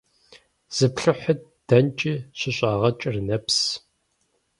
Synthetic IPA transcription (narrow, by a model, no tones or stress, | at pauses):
z̥ɨpɬɨħət̚ | d̥ɐnt͡ʃʼiɕɪɕʼaːʁɐt͡ʃʼɪrnɐps